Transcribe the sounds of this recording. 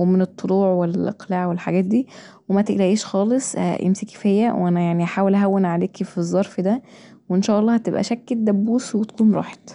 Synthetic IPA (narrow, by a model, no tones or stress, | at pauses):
wemenet̪ˤːoluːʕwelʔɑ̰qlaːʕwelħaɡæːt̪̚d̪iː | wemæt̪eʔlæʔiːʃxɑːlesˤʔḛmsikefhejːæwʔænæjaʕniʔaħaːwelʔæɦæwːenʕaleːkfizˤːɑɾˤfd̪æ | weenʃæːʔɑlˤːɑːhæt̪ebʔæ̰ʃæk̚ːd̪æbːuːswet̪æ̥kuːnɾˤɑ̰ːħe̥t̪